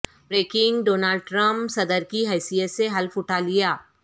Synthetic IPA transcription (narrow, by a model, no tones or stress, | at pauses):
bɾeːkɪ̃ŋɡɖoːnaːlɖ̚ʈɾə̃mpsɐd̪əɾkiɦɛːsijət̪seɦɐlfʊʈʰalijaː